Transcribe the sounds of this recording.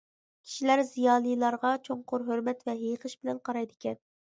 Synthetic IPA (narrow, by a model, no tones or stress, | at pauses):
kʲʰi̥ʃilæɾzijɑːlˠɨjlˠɑɾʁɑt͡ʃʰoŋqʊɾɦøɾmɛt̪vɛɦeqʰəʃbɪlɛnqʰɑɾɑjd̪ɪkʲɛn